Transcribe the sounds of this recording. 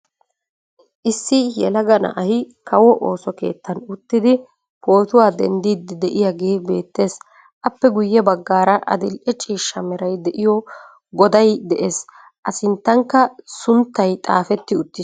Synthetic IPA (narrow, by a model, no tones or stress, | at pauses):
ʔɪsːɪjɛ̰lɐɡɐnɐ̰ʔɐhɪ | kɐwɔʔo̰ːsɔke̞̰ːt̪ːɐnʊt̪ːɪd̪ɪ | po̞ːt̪ʊwaːd̪ɛnd̪iːd̪ɪd̪ɛʔɪjaɡe̞ːbe̞ːt̪ːe̞ːs | ʔɐpːɛɡʊjːɛbɐɡːaːɾɐʔɐ̰d̪ɪlʔɛt͡ʃʼiːʃːɐmɛɾɐjd̪ɛʔɪjɔ | ɡɔd̪ɐjd̪ɛʔe̞ːs | ʔɐsɪnt̪ːɐŋkːɐsʊnt̪ːɐjt̪ʼa̰ːfɛt̪ːɪʊt̪ːɪ